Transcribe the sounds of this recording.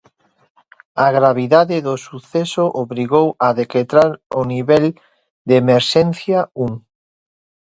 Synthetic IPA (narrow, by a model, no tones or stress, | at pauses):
aɣɾaβ̞iðaðeðosuθesoʔoβɾiɣowaðeket̪ɾaɾoniβɛl | d̪emeɾʃɛnθjauŋ